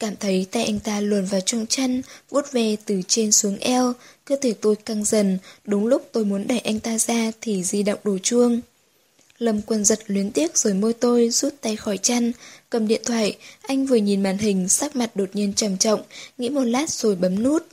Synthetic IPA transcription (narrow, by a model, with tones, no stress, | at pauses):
kaː˧˩mt̪ʰə˨˦jt̪a̰˧˨jʔa˧jŋ̟t̪aː˧lwə˨˩nvaː˨˩wt͡ɕɔ˧wŋ͡mt͡ɕa˧jŋvu˦˥ət̚vɛ˨˩t̪ɨ˨˩t͡ɕe˧nsu˨˦əŋʔɛ˧wkə˧ət̪ʰe˧˩t̪o˧jka˧ŋzə˨˩nɗʊ˨˦ŋ͡mlʊ˦˥k͡p̚t̪o˧jmu˨˦ənɗa˧˩jʔa˧jŋ̟t̪aː˧zaː˧t̪ʰi˨˩zi˧ɗo̰˧˨wŋ͡mɗo˨˩t͡ɕɨ˧əŋ | lə˨˩mkwə˨˩nzə˨˩t̚lwi˨˦nt̪i˦˥ək̚z̥o˨˩jmo˧jt̪o˧jzu˦˥t̚t̪a˧˩jxɔ˧˩jt͡ɕa˧jŋkə˨˩mɗḭ˧˨ənt̪ʰwaː˧˨jʔa˧jŋ̟vɨ˨˩əɲi˨˩nmaː˧˩nɦï˨˩ŋ̟saː˦˥k̚ma˨˩t̚ɗo˨˩t̚ɲi˧ənt͡ɕə˧˩mt͡ɕɔ̰˧˨wŋ͡mŋḭ˧˥mo˨˩t̚laː˦˥t̚z̥o˨˩jɓə˨˦mnu˦˥t̚